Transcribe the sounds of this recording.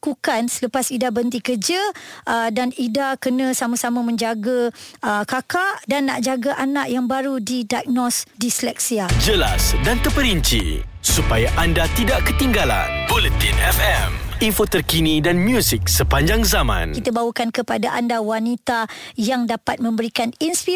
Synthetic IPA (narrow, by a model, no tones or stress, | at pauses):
kukansələpasidabənt̪ikəd͡ʒəʔədanidakənə̃samasamamə̃ɲd͡ʒaɡaəkakaʔdanːa̰ʔd͡ʒaɡaʔanaʔjaŋbaɾudidak̚nɔsdislɛk̚siad͡ʒəla̰sdant̪əpəɾiɲt͡ʃḭ | supajaʔandat̪idaʔkət̪iŋɡala̰nbolut̪ḭnɛfɛminfot̪ərkinidanmjusik̚səpaɲd͡ʒaŋzamã̰nkit̪abawəkankəpadaʔandawanit̪ajaŋdapat̪̚mə̃mbəɾikaninspi